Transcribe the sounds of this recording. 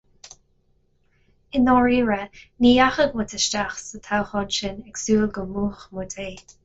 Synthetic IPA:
ɪnɔɹiːɹəniːaxəɡmʊt̪ʰəʃt͡ʃaxsət̪ʰawxɔnʃɪnɛksuːlɡəmuːxmut̪ʰeː

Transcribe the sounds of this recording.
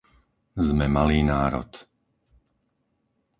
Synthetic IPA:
zmɛmaliːnaːɾɔ̰t̪

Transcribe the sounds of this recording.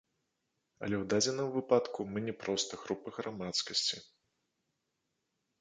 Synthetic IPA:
ɐ̰lʲɛwd̪ad͡zʲɛnɨmvɨpat̪kumɨnʲɛpɾɔst̪ɐɣɾupɐɣɾamat̪skɐsʲt͡sʲi

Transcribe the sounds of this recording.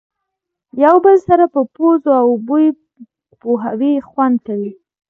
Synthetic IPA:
jawbəlsaɾapəpozoawbuji | poɦawixwand̪̚kawi

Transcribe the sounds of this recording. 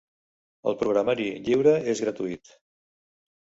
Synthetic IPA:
ə̰lˠpɾuɣɾamaɾiʎiwɾəezɣɾət̪uit̪

